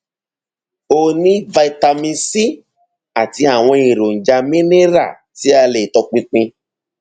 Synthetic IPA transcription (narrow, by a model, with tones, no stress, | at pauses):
o˧nĩ˦va˧i˧ta˧mĩ˧si˦ | a˨ti˧a˨w̃ɔ̃˧i˨ɾo˨n̩˨d͡ʒa˧mĩ˦ne˦ɾa̰˦˨ | ti˨˦a˧le˨tɔ˧k͡pĩ˧k͡pĩ˧